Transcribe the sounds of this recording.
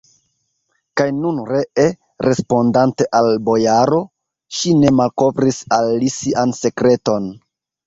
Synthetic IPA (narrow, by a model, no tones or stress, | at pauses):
kajnunɾe̞ʔe | ɾe̞spo̞ndante̞ʔalbo̞jaɾo̞ | ʃine̞malko̞vɾisalːisiʔanse̞kɾe̞to̞n